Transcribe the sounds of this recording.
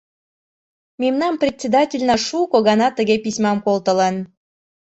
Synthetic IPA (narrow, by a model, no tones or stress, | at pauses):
memnɑmprʲet̪ʲt͡sʲed̪ɑtʲelʲnɑʃukoɣɑnɑt̪əɣepisʲmɑmkolt̪ə̆lən